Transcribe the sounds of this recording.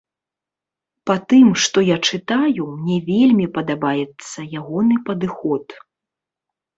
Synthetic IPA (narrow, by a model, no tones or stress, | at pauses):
pat̪ɨmʂt̪ɔjat͡ʂɨt̪ajumnʲɛvʲelʲmʲipɐd̪abajɛt̪sːɐjaɣɔnɨpɐd̪ɨxɔt̪